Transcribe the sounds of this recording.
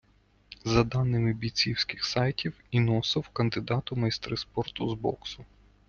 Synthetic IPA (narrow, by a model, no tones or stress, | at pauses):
zɐd̪ɑnːɪmɪbʲit͡sʲiwsʲkɪ̥xsɑjtʲiwinɔsɪwkɐnd̪ɪd̪ɑt̪ʊmɐjst̪ɾɪspɔrt̪ʊzbɔ̰ksʊ